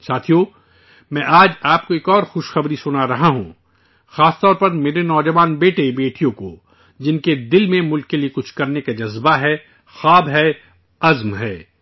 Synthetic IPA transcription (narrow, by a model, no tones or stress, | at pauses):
saːt̪ʰijo | mɛ̃ʔaːd͡ʒaːp̚koeːkɔːɾxʊʃxɐbɾisʊnaɾɐɦaɦṵ̃ | xaːst̪ɔːɾpɐɾmeːɾenɔːd͡ʒɐʋaːnbeːʈebeːʈijõko | d͡ʒɪnked̪ɪlmẽmʊlkːeliekʊt͡ʃʰkɐɾnekad͡ʒɐzbaɦɛː | xaːbɦɛ | ɐzmɦɛː